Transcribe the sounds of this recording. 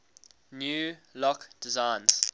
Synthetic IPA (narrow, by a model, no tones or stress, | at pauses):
njuːlɔkd̥ɪzãɪnz̥